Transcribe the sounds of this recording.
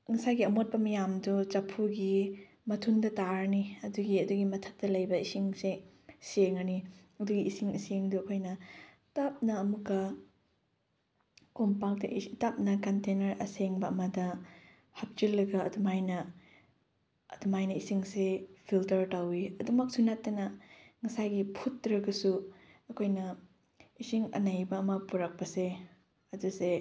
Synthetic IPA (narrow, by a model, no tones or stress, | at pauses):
ŋɐsajɡiɐmot̚pɐmɐjamdut͡ʃɐpʰuɡi | mɐtʰundɐtaɾniɐduɡiɐduɡimɐtʰɐp̚tɐlɐjbɐisiŋse | seŋɐniɐduɡiisiŋisiŋduɐkʰojnɐ | tap̚nɐːmukːɐ | kompak̚tɐ̰tap̚nɐkɐntenɐɾɐseŋbɐɐmɐdɐ | hɐp̚t͡ʃilːɐɡɐːdumajnɐ | ɐdumajnɐisiŋsepʰiltɐɾtawiɐdumɐk̚sunatːɐnɐŋɐsajɡipʰutːɾɐɡɐsuɐkʰojnɐ | isiŋɐ̰najbɐɐmɐpuɾɐk̚pɐse | ɐduse